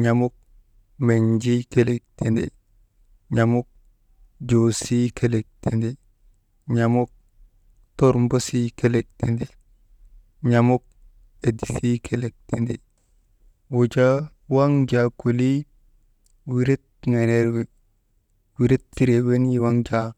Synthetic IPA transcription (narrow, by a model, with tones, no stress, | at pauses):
ɲa˨mu˦k̚ | me˨ɲd͡ʒi˦ke˦le˨k̚te˨nde˨ | ɲa˨mu˦k̚ | d͡ʒo˨si˦ke˦le˨k̚te˨nde˨ | ɲa˨mu˦k̚ | to˦ɾmbo˦si˦ke˦le˨k̚te˨nde˨ | ɲa˨mo˦k̚ | e˨di˨si˦kʰe˦le˨k̚te˨nde˨ | wo˨d͡ʒa˦ | wa˦ŋd͡ʒa˨ku˨li˦ | wi˨ɾe˦t̚ŋe˨ne˦ɾwe˨ | wi˨ɾe˦tti˦ɾe˨we˦ni˦wa˦ŋd͡ʒa˦